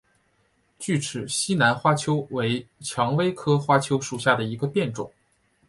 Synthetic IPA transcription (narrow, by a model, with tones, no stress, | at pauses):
t͡ɕy˥˩ʈ͡ʂʰɻ̩˨˩ɕi˥na˧˥nxwa˥t͡ɕʰjo˥ʊwe˧˥ɪt͡ɕʰjɑ˧˥ŋwe˥ɪkʰɤ˥xwa˥t͡ɕʰjo˥ʊʂu˨˩ɕja˥˩d̪ə˩i˧˥ɡə˧pjɛ˥˩nʈ͡ʂʊ̰˨˩˦ŋ